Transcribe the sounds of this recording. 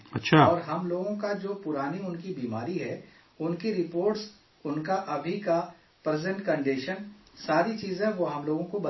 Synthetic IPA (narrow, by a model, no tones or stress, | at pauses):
ɐtːʃʰaɔːɾɦɐmloːɡõkad͡ʒoːpʊɾaːniʊnkibiːma̰ːɾiɦɛ | ʊnkiɾɪpoːɾʈs | ʊnkaʔɐbʱika | pɾɛzɛ̃ɳʈkɐ̃ɳɖeːʃənsaːɾit͡ʃiːzẽʋoːɦɐmloːɡõkobɐ